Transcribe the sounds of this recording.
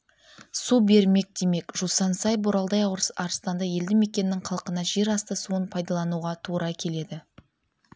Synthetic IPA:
sube̞ɾme̞k̚d̪e̞me̞kʒ̥usɑnsɑjboɾɑlˠd̪ɑjɑwɾəsɑɾst̪ɑnd̪ɑje̞ld̪ɪme̞kʲe̞nɪːɪŋqʰɑlˠqənɑʒe̞ɾɑst̪əsuənpʰɑjd̪ɑlˠɑnuʁɑt̪ʰuɾɑkʲʰe̞le̞d̪ɪ

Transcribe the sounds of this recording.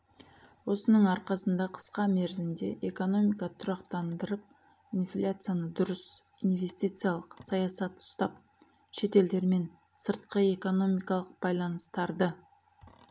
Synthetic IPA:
wo̞sənəɴɑɾqɑsənd̪ɑqʰə̥sqɑmeɾzɪnd̪e̞ʔeko̞no̞mijkɑt̪ʰʊɾɑqt̪ɑnd̪əɾəp̚ | inflʲat̪sɨjanəd̪ʊɾəs | inve̞st̪ijt̪sɨjalˠəqsɑjɑsɑt̪ʊ̥st̪ɑp̚ | ʃe̞t̪e̞ld̪e̞ɾme̞n | səɾt̪qəe̞ko̞no̞mijkɑlˠəq̚bɑjlˠɑnəst̪ɑɾd̪ə

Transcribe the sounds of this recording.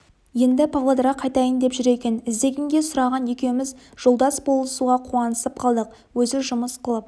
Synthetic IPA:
je̞nd̪ɪpʰavlˠod̪ɾɑqʰɑjt̪ɑjənd̪e̞pʒʏɾe̞kʲe̞nɪzd̪e̞ɡʲeŋɡʲe̞sʊɾɑʁɑnje̞kʲe̞wɪmɪzʒ̥o̞lˠd̪ɑsbo̞lˠəsuʁɑqʰuɑnəsəp̚qʰɑlˠd̪əq̚ | wɵzɪʒʊməsqʰəlˠəp̚

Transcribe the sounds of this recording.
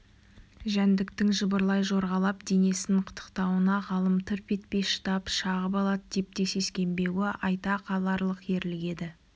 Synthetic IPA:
ʒænd̪ɪkt̪ɪŋʒəbəɾlˠɑjʒo̞ɾʁɑlˠɑpd̪e̞ne̞sɪŋqʰə̥t̪ʰə̥qt̪ɑwənɑʁɑlˠəmt̪ʰʏɾpe̞t̪̚pe̞jʃə̥t̪ɑpʃɑʁəbɑlˠɑt̪̚d̪e̞p̚t̪e̞se̞skʲe̞mbe̞wɪʔɑjt̪ɑqʰɑlˠɑɾlˠəqje̞ɾlɪɡʲe̞d̪ɪ

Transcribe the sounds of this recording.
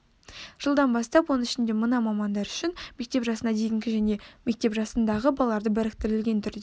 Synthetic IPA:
ʒ̥əlˠd̪ɑnbɑst̪ɑpwo̞nəɪʃɪnd̪e̞mənɑmɑmɑnd̪ɑɾʏʃɪnme̞k̚t̪e̞pʒɑsənɑd̪e̞jɪŋɡʲɪʒæne̞me̞k̚t̪e̞pʒɑsənd̪ɑʁəbɑlˠɑɾd̪əbæɾɪk̚t̪ɪɾɪlɡʲe̞nt̪ʰʏɾd̪e

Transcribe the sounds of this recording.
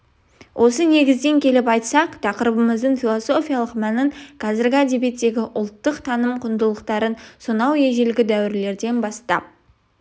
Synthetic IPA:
wʔo̞səne̞ɡʲɪzd̪e̞ŋkʲʰe̞lɪpɑjt̪sɑqt̪ʰɑqəɾəbəməzd̪əɴfʲilˠoso̞fʲijalˠəqmænɪɴqʰɑzɪɾɡʲɪæd̪e̞be̞t̪ːe̞ɡʲɪʔʊlˠt̪ːəqt̪ʰɑnəmqʰʊnd̪əlˠəqt̪ɑɾənsonɑwje̞ʒelɡʲɪd̪æwɪɾle̞ɾd̪e̞nbɑst̪ɑ̰p̚

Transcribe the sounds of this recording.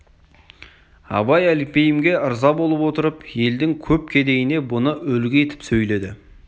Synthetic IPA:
ɑ̰bɑjælɪk̚pe̞jɪmɡʲe̞əɾzɑbo̞lˠəpwo̞t̪əɾəpje̞ld̪ɪŋkʲʰɵp̚kʲʰe̞d̪e̞jɪne̞bʊnəɵlɡʲɪe̞t̪ɪ̥psɵjle̞d̪ɪ

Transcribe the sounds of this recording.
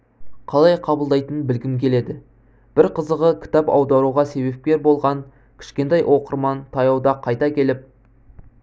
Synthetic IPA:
qʰɑlˠɑjqʰɑbəlˠd̪ɑjt̪ənbɪlɡʲɪmkʲʰe̞le̞d̪ɪ | b̥ɪɾqʰəzəʁəkʲʰɪ̥t̪ɑpɑ̰wd̪ɑɾuʁɑse̞βe̞p̚kʲe̞ɾbo̞lˠʁɑn | kʲʰɪ̥ʃkʲe̞nt̪ejwʔo̞qəɾmɑnt̪ʰɑjɑwd̪ɑqʰɑjt̪ɑkʲʰe̞lɪp̚

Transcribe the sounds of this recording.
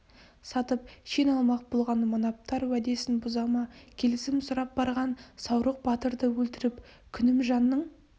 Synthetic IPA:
sɑt̪əpʃenɑlˠmɑq̚bolˠʁɑnmonɑp̚t̪ɑɾwæd̪e̞sɪnbʊzɑmɑkʲʰe̞lɪsɪmsʊɾɑp̚bɑɾʁɑnsɑwɾəq̚bɑt̪əɾd̪əwɵlt̪ɪɾɪpkʲʰʏnɪmʒɑnːəɴ

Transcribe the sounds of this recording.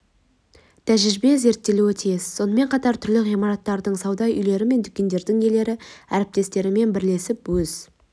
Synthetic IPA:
t̪ʰæʒɪʒɪbe̞ze̞ɾt̪ːe̞luwet̪ʰijezso̞nəme̞ɴqʰɑt̪ɑɾt̪ʰʏɾlɪʁijmɑɾɑt̪ːɑɾd̪əɴsɑwd̪ɑjʔʏjle̞ɾɪme̞nt̪ʰʏkʲe̞nd̪e̞ɾd̪ɪŋje̞le̞ɾɪæɾɪp̚t̪e̞st̪e̞ɾɪme̞nbɪɾle̞sɪpwɵz̥

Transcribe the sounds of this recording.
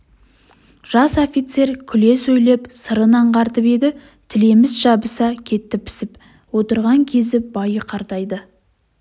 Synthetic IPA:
ʒ̥ɑsofit̪se̞ɾkʲʰʏle̞sɵjlepsəɾənɑɴqʰɑɾt̪əpe̞d̪ɪ | t̪ʰɪle̞mɪzʒɑbəsɑkʲʰe̞t̪ːɪpʰːɪ̥sɪp | wo̞t̪əɾʁɑŋkʲʰe̞zɪbɑjəqʰɑɾt̪ɑjd̪ə

